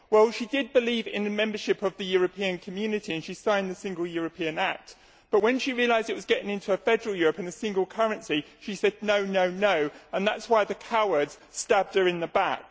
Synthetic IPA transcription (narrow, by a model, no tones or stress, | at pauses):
wɛlˠʃidɪd̚bɪlivɪ̰̃nəmɛ̃mbəʃɪpʌvðɨjʊɹəpʰĩɨ̃nkʰəmjʉnɨtiɨ̃nʃisãɪ̃nðəsɪ̃ŋɡəlˠjɔɹəpʰĩɨ̃næk̚t | b̥ʌʔwə̃nʃiɹiəlaɪzdɪʔ̚wɒzɡɛɾɪ̃ŋɪ̃ntʰuəfɛdəɹəlˠjɔɹəpɨ̃nəsɪ̃ŋɡəlˠkʰʌɹɨ̃nsiʃisɛdⁿnoʊnoʊnoʊə̃nðatswaɪðɨkʰaʊə˞dz̥stæb̚də˞ɨ̃nðəbak̚